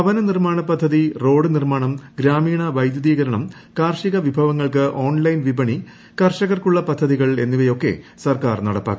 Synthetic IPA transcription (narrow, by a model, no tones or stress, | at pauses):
ɐʋɐnɐnirmaːɳɐpːɐd̪ʱːɐðiro̞ːɽɨnirmaːɳɐmɡɾaːmiːɳɐʋɐjd̪jɐðiːɣɐɾɐɳɐm | kaːrʂiɣɐʋibʱɐʋɐŋːɐɭkɨʔoːnlɐjnʋibɐɳi | kɐrʂɐɣɐrkuɭːɐpɐd̪ʱːɐðiɣɐɭe̞nːuʋejo̞kːe̞̰sɐrkaːrnɐɽɐpːa̰ːkːu